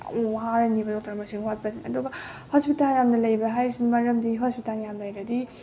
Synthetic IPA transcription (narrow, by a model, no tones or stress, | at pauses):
ɦaɾɐnibɐtoktʰaɾɐmɐsiŋwat̚bɐdinɐduɡɐhospitalɾamnɐlɐjbɐɦajɾsinmɐɾɐmdiɦospitaljamlɐjɾɐdi